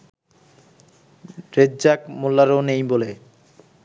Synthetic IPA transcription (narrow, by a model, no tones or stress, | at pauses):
ɾed͡ʑd͡ʑakmulːaɾonejbole